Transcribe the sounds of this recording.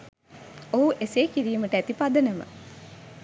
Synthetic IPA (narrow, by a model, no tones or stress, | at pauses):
oːʔeseːkiɾiːməʈəæt̪ipad̪ənəmə̰